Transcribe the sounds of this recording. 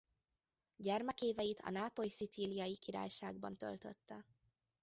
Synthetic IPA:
ɟɛrmɛkeːvɛjit̪ʰɒ̰naːpojsit̪siːlijɒjikiɾa̰ːjʃa̰ːɡ̚bɒnt̪ø̰lt̪ø̰t̪ːɛ

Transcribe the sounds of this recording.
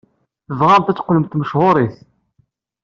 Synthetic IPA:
θəvʁant̪æt͡sːqːləmt̪məʃhʊɾˤiθ

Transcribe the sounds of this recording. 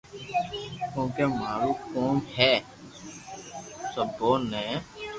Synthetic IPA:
kõːkeːmaːɾuːkoːmhɛː | səboːnɛ̃ː

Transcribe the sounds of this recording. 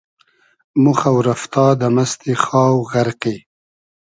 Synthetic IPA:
mʊxawɾaft̪ɑːd̪amast̪ixɑːwɣaɾqe

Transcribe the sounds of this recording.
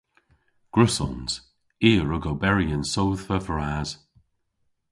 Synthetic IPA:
ɡ̥ɹʊsɔ̰nz̥ | iːəɹʊɡowbɛɹiənsowðfəvəɹaːz̥

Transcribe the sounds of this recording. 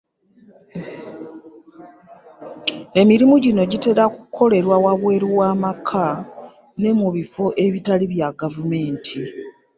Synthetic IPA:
e̞miɾimuɟino̞ɟite̞ɾakukʰːo̞le̞ɾwawaβwe̞ːɾiwaːmakʰa | ne̞muβifoʔe̞βitaliβjaɡavume̞ːntʰi

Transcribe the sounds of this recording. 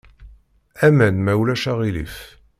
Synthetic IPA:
æmænmæwlæʃaʁilḭf

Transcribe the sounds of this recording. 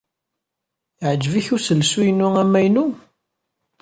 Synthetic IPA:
ʕəd͡ʒːəviçusəlsujənuæmːæjnu

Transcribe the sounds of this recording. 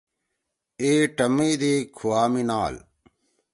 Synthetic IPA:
eːʈɐmiːd̪eːkʰuaːminaːl

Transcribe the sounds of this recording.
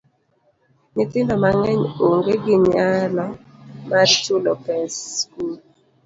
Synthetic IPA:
nɪtɪndɔmaŋɛɲoŋɡeɡɪɲalɔ | mat͡ʃulɔpɛskul

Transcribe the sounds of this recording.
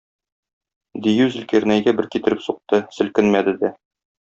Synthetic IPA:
d̪ijʉzɘ̆lkɘɾnæjɡæbɘɾkit̪ɘ̆ɾɘpsuq̚t̪ɤsɘ̆lkɘnmæd̪ɘ̆d̪æ

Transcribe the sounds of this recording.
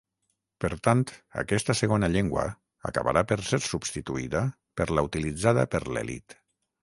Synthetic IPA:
pəɾt̪ant̪a̰kɛst̪əseɣonaʎeŋɡwə̰ | a̰ka̰βa̰ɾapəɾseɾsubst̪it̪uiðə | pəɾlaut̪ilid͡zaðə̰pəɾlḛlḭt̪

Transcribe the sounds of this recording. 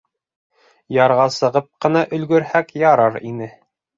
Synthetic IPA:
jɑɾʁɑsɤ̆ʁɤp̚qɤ̆nɑʔɵ̆lɡɵ̆ɾhækjɑɾɑɾinɘ

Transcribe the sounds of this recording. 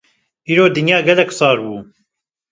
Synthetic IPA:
ʔiːɾoːd̪ɨnjaːɡɛlɛksˤɑːɾbuː

